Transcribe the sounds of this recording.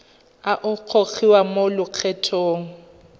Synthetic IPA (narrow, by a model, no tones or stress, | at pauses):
aʔʊq͡χʰok͡xiwamolʊq͡χʰɛtʰoːŋ̩